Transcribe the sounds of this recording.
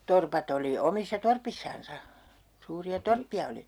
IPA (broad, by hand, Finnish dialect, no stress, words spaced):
torpɑt oli omisːɑ torpisːɑnsɑ suːriɑ torpːiɑ oli